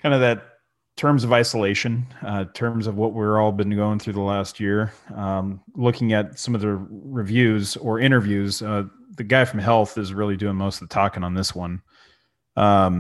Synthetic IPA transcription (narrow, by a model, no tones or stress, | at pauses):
kʰãɪ̃ndʌvðɨtʰ | ɜ̃˞mzʌvaɪsəleɪʃɨ̃nʌtʰɜ̃˞mzʌvwʌt̚wɪɹɔlˠbɨ̃nɡoʊɪ̃ŋθɹʉðəlæst̚jɪɹʌ̃mlʊkɪ̃ŋɨt̚sʌ̃mʌvðɨɹɨvjʉzə˞ɪ̃ɾ̃ə˞vjʉz̥ʌ | ðɨɡaɪfɹʌ̃mɦɛlˠθɨzɹɪlˠidʉɪ̃ŋmoʊstðtʰɔkɪ̃ŋə̃nðɪswʌ̃n | ʔʌ̃m